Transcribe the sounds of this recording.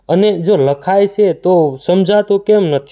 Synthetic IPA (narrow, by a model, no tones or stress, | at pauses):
əned͡ʒoləkʰajt͡ʃʰet̪osəmd͡ʒʱat̪õkɛmnət̪ʰi̥